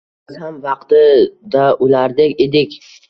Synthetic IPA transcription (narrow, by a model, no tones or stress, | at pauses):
ɪzhamvɑqt̪ɪd̪aʔʊlaɾd̪ekʲed̪ɪkʲ